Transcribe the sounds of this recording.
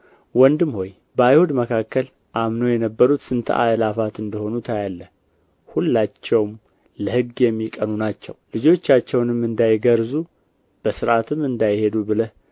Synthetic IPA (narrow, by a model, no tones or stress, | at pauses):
wɔnd̪ɨmho̞j | bəajhud̪məkʰakːəl | ʔamno̞jɛnəbːəɾut̪sɨnt̪ʰə̰ʔajlafat̪ɨnd̪əho̞nut̪ʰajalːə | hulːat͡ʃːɛwm | ləhɨɡːjɛmːikʼənunat͡ʃːɛwlɨd͡ʒo̞t͡ʃːat͡ʃːɛwnɨmːɨnd̪ajɡəɾzu | b̥əsɨɾʔat̪ʰɨmɨnd̪ajhe̞d̪ubɨləh